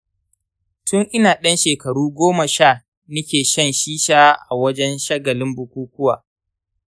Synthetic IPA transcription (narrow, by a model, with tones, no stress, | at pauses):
tʊ˦ŋʔɪ˦naː˨ɗɐ˦nʃeː˨kɐ˨ɽuː˦ɡʷoː˦mɐ˨ʃa˦˨ | nʊ˦kʲeː˨ʃɐ˦nʃiː˦ʃaː˦ʔa˨wɐ˦d͡ʒɛ˦nʃɐ˦ɡɐ˨lɪ˦mbʊ˨kʷuː˦kʷʊ˦wa̰ː˨